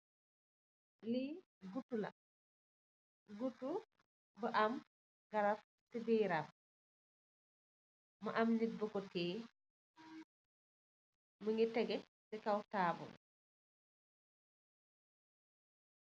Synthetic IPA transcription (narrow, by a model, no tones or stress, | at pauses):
li | ɡutːula̰ | ɡutːu | bəʔam | ɡaɾaf | sibiːɾaf | maʔamnit̚bɔkɔtɛː | muŋɡitɛɡɛ | sɛkawtaːbṵl